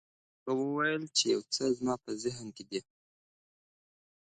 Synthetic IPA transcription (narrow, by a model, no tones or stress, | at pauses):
ɣəwəwajəlt͡ʃejawt͡səzmɑpəzɪɦnked̪i